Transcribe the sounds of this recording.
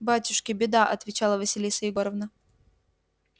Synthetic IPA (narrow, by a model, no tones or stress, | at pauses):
batʲʊʂkʲɪbʲɪd̪aʔɐt̪vʲɪt͡ɕalˠəvəsʲɪlʲisəjɪɡoɾəvnə